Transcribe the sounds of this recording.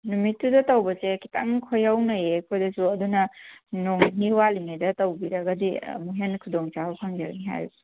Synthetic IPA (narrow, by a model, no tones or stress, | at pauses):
numitːudɐtɐwbɐseki̥ta̰ŋkʰojawnɐjekʰojdɐsuɐdunɐnoŋniwaliŋajdɐtɐwbiɾɐɡɐdḭmuɦenkʰudoŋt͡ʃabɐpʰaŋdia̰k̚niɦa̰jbɐ